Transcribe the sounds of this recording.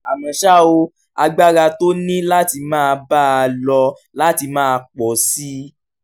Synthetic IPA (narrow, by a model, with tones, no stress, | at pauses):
a˨mɛ̃˨ʃa˦˨o˧ | a̰˧ɡ͡ba˦ɾa˧to˦nĩ˦la˦ti˧mãː˦˧ba˦a˧lɔ˧ | la˦ti˧mãː˦˧k͡pɔ˨si˦